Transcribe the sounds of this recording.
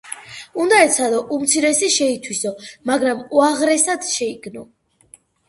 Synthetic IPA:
und̪aɛt̪sʰad̪ɔʔumt̪sʰiɾɛsiʃɛit̪ʰwisɔmaɡɾamuaʁɾɛsad̪ʃɛiɡʰnɔ

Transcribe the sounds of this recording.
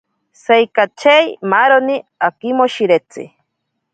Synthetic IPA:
sejkat͡ʃejmaɾoniakimoʃiɾet͡sḭ

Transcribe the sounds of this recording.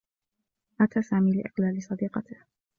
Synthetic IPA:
ʔat̪aːsaːmiːlɪ̰ʔɪqlaːlɪsˤɑd̪iːqɑt̪ɪh

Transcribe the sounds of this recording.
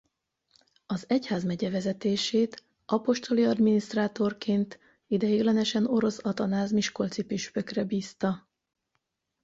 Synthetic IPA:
ɒzɛchaːzmɛɟɛvɛzɛt̪eːʃeːt̪ | ʔɒpo̞ʃt̪o̞liɒd̪miniʃt̪raːt̪o̞rkeːnt̪ | id̪ɛjeːlɛnɛʃɛno̞ɾo̞sɒt̪ɒnaːzmiʃko̞lt̪sipiʃpø̞krɛbiːst̪ɒ

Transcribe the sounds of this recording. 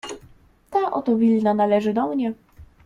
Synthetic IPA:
t̪aʔɔt̪ɔvʲilnanalɛʐɘd̪ɔmɲɛ

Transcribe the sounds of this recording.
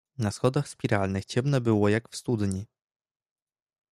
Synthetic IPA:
nasxɔd̪axspʲiɾalnɘxt͡ɕɛmnɛbɘwɔjakfst̪ud̪ɲi

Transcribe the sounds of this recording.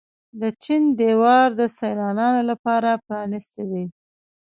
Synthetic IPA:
d̪ət͡ʃind̪ewɑɾd̪əsajlɑnɑnolapɑɾapɾɑnist̪ewe

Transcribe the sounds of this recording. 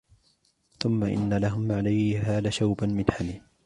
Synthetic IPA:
θʊmːaʔɪ̰nːalaɦʊmʕalajhaːlaʃawbanmɪnħami

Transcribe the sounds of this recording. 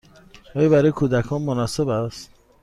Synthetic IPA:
ɔːjɔbæɾɔːjekʰud̪ækʰɔːnmonɔsebæst̪

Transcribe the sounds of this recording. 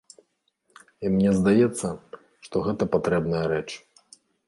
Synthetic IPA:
imnʲɛzd̪ajɛt̪sːɐ | ʂt̪ɔɣɛt̪ɐpat̪ɾɛbnɐjɐɾɛt͡ʂ

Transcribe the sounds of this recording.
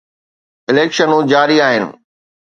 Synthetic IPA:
ɪleːkʃənũd͡ʑaːɾiaːɦɪnɪ̰̆

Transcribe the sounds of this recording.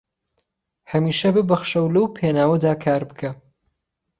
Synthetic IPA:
hɐmiːʃɐbɨbɐxʃɐwlɐwpʰenaːwɐd̪aːkʰaːɾbɨkʰɐ

